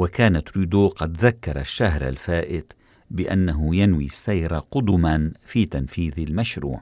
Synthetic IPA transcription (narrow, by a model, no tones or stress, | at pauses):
wakaːnat̪ɾuːd̪oːqɑd̪ðakːɑɾˤa̰ʃːaɦɾa̰lfaːʔɪt̪ | bɪʔanːaɦʊjanwḭːsːajɾˤaqʊd̪ʊmanfiːt̪anfiːðɪlmaʃɾṵːʕ